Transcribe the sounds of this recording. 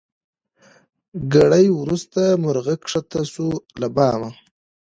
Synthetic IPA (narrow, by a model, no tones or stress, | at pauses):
ɡaɽajwɾust̪amʊɾɣakʂat̪asulabɑːma